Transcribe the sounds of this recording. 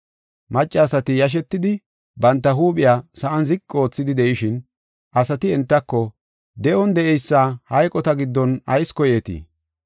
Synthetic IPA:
mɐt͡ʃʼːaːsɐt̪ɪjɐʃ̬ɛt̪ːɪd̪ɪ | bɐnt̪ːɐɦuːɓʼɪjaːsɐʔɐnzɪkʼːo̞ːt͡sːɪd̪ɪd̪ɛʔɪʃɪn | ʔɐsɐt̪ɪɛnt̪ːɐkːɔ | d̪ɛʔɔnd̪ɛʔɛjsːaːhɐjkʼɔt̪ɐɡɪd̪ːɔnɐjskɔjɛt̪ḭ

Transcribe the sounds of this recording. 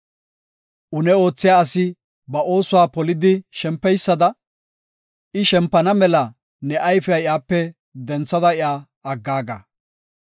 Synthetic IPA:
ʔʊnɛo̞ːt͡sːɪjaːsɪ | bɐʔo̞ːsʊwaːpɔlɪd̪ɪʃɛmpːɛjsːɐd̪ɐ | ɪʃɛmpːɐnɐmɛlɐ | nɛʔɐjfɛɐɪjaːpːɛ | d̪ɛnt͡sːɐd̪ɐɪjaː | ɐɡːaːɡa̰

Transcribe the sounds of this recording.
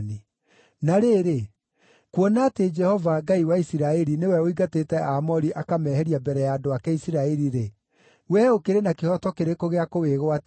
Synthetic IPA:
ni | naɾeːɾe | kwɔnaːted͡ʒɛhɔvaɡaiwaisiɾaɛɾinewɛoiɡatetɛʔamɔɾiʔakamɛːhɛɾiabɛɾɛjaːdoakɛisiɾaɛɾiɾe | wɛokeɾenakehɔtɔkeɾekoɣeakoweɣwat

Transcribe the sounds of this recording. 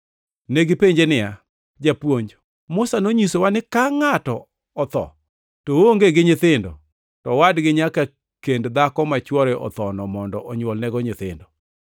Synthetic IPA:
neɡɪpeɲd͡ʒenɪja | d͡ʒapwoɲd͡ʒ | mʊsanoɲisowanɪkaŋatɔː | t̪ɔ̰ | tooŋɡeɡɪɲɪt̪ɪndɔ̰ | tɔwadɡɪɲaka | kendd̪akɔmat͡ʃwɔɾɛʔɔ̰t̪ɔnɔmɔndɔʔɔɲwɔlnɛɡɔɲɪt̪ɪ̰ndɔ

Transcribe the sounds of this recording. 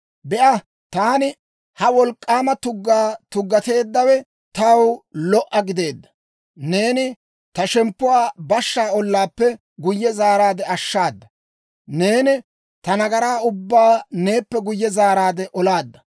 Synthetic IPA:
bɛʔɐ | t̪aːnɪ | hɐwɔlkʼːaːmɐt̪ʊɡːaːt̪ʊɡːɐt̪e̞ːd̪ːɐwɛ | t̪ɐwlɔʔɐɡɪd̪e̞ːd̪ːɐ̥ | ne̞ːnɪ | t̪ɐʃɛmpːʊwaːbɐʃːaːɔlːaːpːɛ | ɡʊjːɛzaːɾaːd̪ɛɐʃːaːd̪ːɐ | ne̞ːnɪ | t̪ɐnɐɡɐɾaːʊbːaːne̞ːpːɛɡʊjːɛzaːɾaːd̪ɛʔɔlaːd̪ːɐ

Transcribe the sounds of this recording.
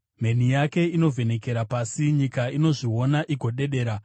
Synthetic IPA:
me̞n̤ijake̞ino̞vʱe̞ne̞ke̞ɾapasiɲikaino̞ʐio̞naʔiɡʱo̞ɗe̞ɗe̞ːɾa

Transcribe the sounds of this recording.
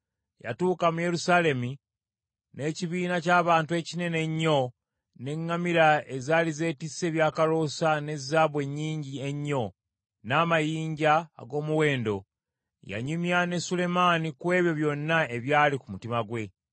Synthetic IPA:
ja̰tuːkamuje̞ɾusaːle̞mi | ne̞ːciβiːnacaːβaːntue̞cine̞ne̞ɲːo̞ | ne̞ŋːamiɾae̞zaːlize̞ːtisːe̞βjaːkalo̞sane̞zːaːβwe̞ɲːiːɲɟie̞ɲːo̞ | naːmajiːɲɟa̰ːɡo̞ːmuwe̞ːndo̞ | ja̰ɲimjane̞sule̞maːnikwe̞ːβjo̞βjo̞nːae̞βjaːlikumutimaɡwe̞

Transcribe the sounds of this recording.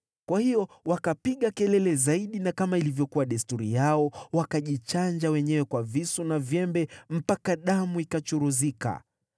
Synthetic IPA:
kwahijɔwakapiɠakɛlɛlɛzaiɗinakamailivjɔkuwaɗɛstuɾijaɔwakaʄit͡ʃand͡ʒawɛɲɛwɛkwavisunavjɛmbɛm̩pakaɗamuikat͡ʃuɾuzika̰

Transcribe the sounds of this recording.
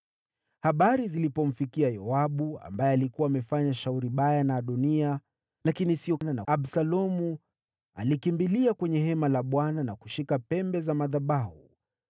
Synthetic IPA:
haɓaɾizilipɔm̩fikiajɔaɓua̰mbajɛalikuwaːmɛfaɲaʃauɾiɓajanaːɗunia | lakinisiɔnanaaɓsalɔmu | a̰likimbiliakwɛɲɛhɛmalaɓwananaku̥ʃikapɛmbɛzamaðaɓahṵ

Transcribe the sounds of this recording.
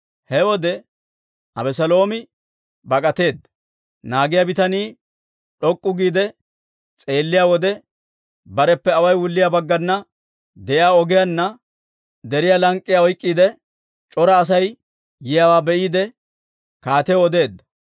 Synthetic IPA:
hɛwɔd̪ɛ | ʔɐbɛsɐlo̞ːmɪ | bɐkʼɐt̪e̞ːd̪ːɐ | naːɡɪjabɪt̪ɐniː | ɗɔkʼːʊɡiːd̪ɛ | t͡sʼe̞ːlːɪjawɔd̪ɛ | bɐɾɛpːɛɐwɐjwʊlːɪjabɐɡːɐnːɐ | d̪ɛjɪaːɔɡɪjɐnːɐ | d̪ɛɾɪjalɐŋkʼːɪjaɔjkʼːiːd̪ɛ | t͡ʃʼɔɾɐːs̬ɐjː | ɪjawaːbɛʔiːd̪ɛ | kaːt̪ɛɔd̪e̞ːd̪ːɐ̥

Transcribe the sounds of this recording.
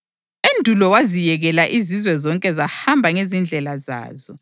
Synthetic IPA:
endʱulɔwazijɛɣɛlaʔizizwɛzɔŋkʼɛzahambʱaŋezind͡ɮʱɛlaza̰ːzɔ

